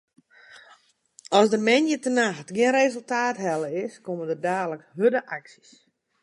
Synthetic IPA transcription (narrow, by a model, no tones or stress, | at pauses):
ɔsdəmɛnjətənaxtɡɪənrezəlˠtaːtɦɛləɪskomədərdaːdləkhødəʔaksi̥s